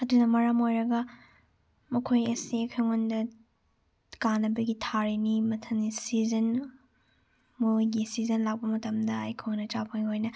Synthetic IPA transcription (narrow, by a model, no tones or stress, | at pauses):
ɐdunɐmɐɾamojɾɐɡɐ | mɐkʰojɐsikʰɐŋondɐ | kanːɐbɐɡitʰaɾinimɐtʰɐnisizɐn | mojɡisizɐnlak̚pɐmɐtɐmdɐa̰jkʰownɐt͡ʃapʰɐŋiojnɐ